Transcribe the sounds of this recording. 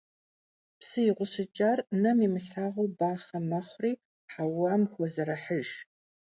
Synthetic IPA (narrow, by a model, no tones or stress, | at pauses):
psɨjɪʁʷʊsɨt͡ʃʼaːrnɐmiːmɨɬaːʁowbaːχɐmɐχʷriː | ħawaːmxʷɔzɐɾɐħəʒ